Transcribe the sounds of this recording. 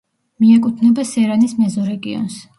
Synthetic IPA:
miɛkʼut̪ʰnɛbasɛɾanismɛzɔɾɛɡiɔ̰ns

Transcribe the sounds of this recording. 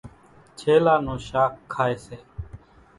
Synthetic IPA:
t͡ʃʰeːlaːnõːʃaːkʰːaːeːseː

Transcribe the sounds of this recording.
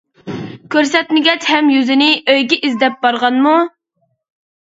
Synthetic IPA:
kʲʰøɾsɛt̪nɪɡʲɛt͡ʃhɛmjyzɪnɪøjɡʲɛʔizd̪ɛp̚bɑɾʁɑnmu

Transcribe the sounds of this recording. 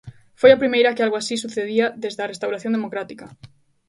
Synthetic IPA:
fojapɾimejɾakɪalɣoasisuθeðiaðezðearest̪awɾaθjõnd̪emokɾat̪ika

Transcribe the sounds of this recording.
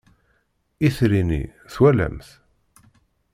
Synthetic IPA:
iθɾinḭθwælæ̰mθ

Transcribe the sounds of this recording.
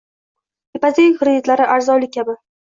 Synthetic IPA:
epazeŋʲχɾɪet̪laɾɪʔaɾzɒlɪkʲʰːabɪ

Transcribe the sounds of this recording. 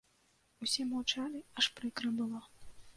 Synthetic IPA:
usʲɛmɐwt͡ʂalʲiɐʂpɾɨkɾɐbɨlˠa

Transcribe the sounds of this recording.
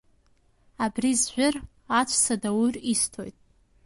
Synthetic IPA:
abrizʒʷᶣʊr | at͡ʃʷʰʼsadawuristʰo̞̰jtʼ

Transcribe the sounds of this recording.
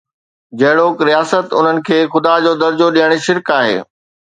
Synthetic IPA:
d͡ʑɐɦɪɽoːkɾijaːsət̪ʊ̰n̤ənɪ̆kʰeːxʊd̪ad͡ʑoːd̪ɐɾd͡ʑoɗijəɽ̃̆ʃɪɾkaːɦḛː

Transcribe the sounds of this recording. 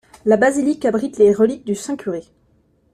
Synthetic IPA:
labazilikabʁit̪leʁəlik̚d̪ysɛ̃kʲyʁe

